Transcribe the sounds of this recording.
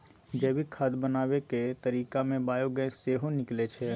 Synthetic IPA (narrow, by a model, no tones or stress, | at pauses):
d͡ʒɛːbikʰaːd̪bənaːʋeket̪əɾiːkamẽbaːjoːɡɛ̃seːɦonɪklet͡ʃʰe